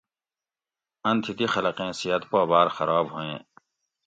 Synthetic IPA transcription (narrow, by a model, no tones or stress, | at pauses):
ɐ̃nt̪ʰit̪ixɐlɐqẽːsiɐt̪pobaːɾxɐɾaːbɦuẽː